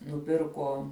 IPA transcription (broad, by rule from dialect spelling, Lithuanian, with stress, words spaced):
nʊˈpʲɪrkoː